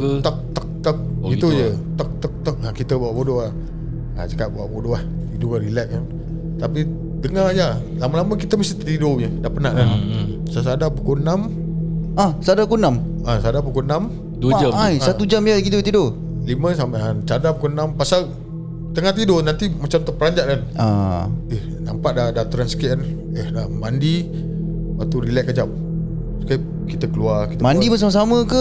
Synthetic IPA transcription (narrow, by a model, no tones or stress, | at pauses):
t̪ək̚t̪ək̚t̪ək̚ɡit̪ud͡ʒət̪ək̚t̪ək̚t̪ək̚akit̪əbaaʔbodoah | a̰t͡ʃakaʔ̪̚bawa̰ʔbodoaht̪idoalilɛt̪̚kan | t̪api | dəŋaja | laməlaməkit̪əməsit̪t̪idojədaʔpənaʔla | səs̬adapəkonam | asadapkonam | asaadapəkonam | daasaud͡ʒamjakidot̪ido | limə̃samt͡ʃadapukonampasal | t̪əŋaht̪̬idonant̪imat͡ʃamt̪əpəɾaɲd͡ʒaʔkana̰eh | nampaʔ̚dadat̪uɾansə̥kiʔ̚n | elamandi | wat̪uɾilɛʔkad͡ʒam̚ | sə̥kiʔ | kit̪əkəluarkit̪əmãndibəs̬aməs̬aməkə